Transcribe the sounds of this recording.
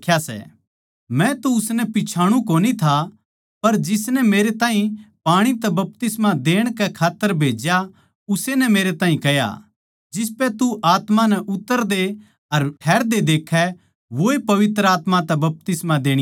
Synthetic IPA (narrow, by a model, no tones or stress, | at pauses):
kʰjasɛ̰ | mɛ̃t̪oʊsnɛpɪt͡ʃʰaːɽ̃ũkoːnit̪ʰa | pɐɾd͡ʒɪsnɛmeːɾet̪aːĩpaːɽ̃it̪ɛbɐp̚t̪ɪsmad̪eːɽ̃kɛkʰaːt̪ːəɾbʱeːd͡ʒja | ʊsenɛmeːɾet̪ãːɦĩkɐja̰ | d͡ʒɪs̬pɛt̪uʔaːt̪manɛʔʊt̪ːəɾd̪e | ɐɾʈʰɛːɾd̪ed̪eːkʰːɛ | ʋoepɐʋɪt̪ɾəaːt̪mãt̪ɛbɐp̚t̪ɪsmad̪eːɽ̃i